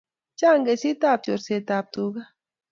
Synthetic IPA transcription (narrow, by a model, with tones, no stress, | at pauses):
t͡ʃa˦˨ŋɡe˨si˦t̪a˦˨p̚t͡ʃo˨ɾse˨t̪aː˨p̚t̪u˨ɡa˦